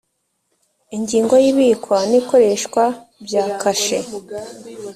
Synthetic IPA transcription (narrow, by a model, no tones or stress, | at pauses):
iɲɟiːŋɡo̞jiβikwaniko̞ɾe̞ʃkwabjaːkʰaʃe